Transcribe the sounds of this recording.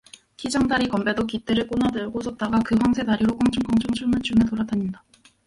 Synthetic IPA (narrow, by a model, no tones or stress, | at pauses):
kid͡ʑaŋdaɾikʌmbe̞dokit͈eɾɯɭk͈onadɯɭɡosʰʌp̚t͈aɡakɯɸwaŋsʰe̞taɾiɾok͈ʌŋt͡ɕʰuŋk͈ʌŋt͡ɕʰuŋt͡ɕʰumɯɭt͡ɕunɯtoɾadaɲinda